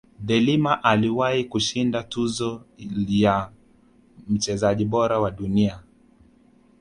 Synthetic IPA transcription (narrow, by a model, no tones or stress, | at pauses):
ðɛlimaʔaliwaikuʃindatuzɔja | m̩t͡ʃɛzaʄiɓɔɾawaɗunia